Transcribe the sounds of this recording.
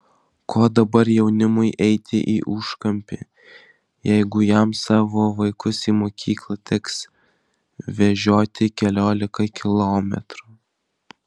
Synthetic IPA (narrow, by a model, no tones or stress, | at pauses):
kʰoːd̪ɐbɐɾjɛʊnʲɪmʊɪʔɛɪt̪ʲɪ̰ʔiːʔʊːʃkɐmʲpʲḛ | jɛɪɡʊjɛmsɑːʋoːʋɐɪkʊsiːmoːkʲʰiːklˠɐt̪ʲɛks | ʋʲɛʒʲoːt̪ʲɪkʲɛlʲoːlʲɪkɐkʲɪlˠoːmʲɛ̰t̪ɾuː